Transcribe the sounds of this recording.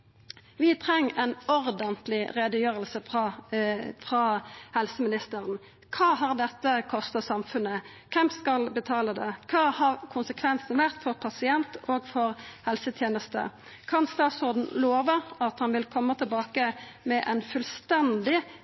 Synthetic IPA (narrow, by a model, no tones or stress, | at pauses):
ʋɪt̪ʰɾɛŋːɛnɔɾd̪ənt̪lɪɾed̪əjøːɾəlsəfʁɑ | fɾɑhɛlsəmɪnɪst̪əʁən | kʰɑːɦɑʁd̪ɛt̪ːəkʰɔst̪ɑsɑmfʉnːə | kʰɛmpskɑlbət̪ʰɑːləd̪ɛkʰɑːhɑɾkʰʊnsəkʰʋɛnsnʋæʁt̪fɔʁpʰɑsɪɛnt̪oːɡfɔɾhɛlsət̪ʰjeːnəst̪ə̰ | kʰɑnst̪ɑːt̪sʊʁd̪ɳn̩loːʋəʔɑt̪hɑnʋɪlkʰɔmːət̪ʰɪlbɑːkəmɛʔɛnfʉlst̪ɛnd̪ɪ